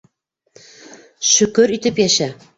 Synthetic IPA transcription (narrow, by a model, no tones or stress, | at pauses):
ʃɵ̆kɵɾit̪ɘpjæʃæ